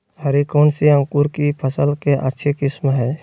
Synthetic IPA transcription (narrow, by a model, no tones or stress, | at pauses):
hɐɾikoːnsiə̃ŋkuɾkipʰəsəlkeʔə̰tːʃʰekɪsmɦɛː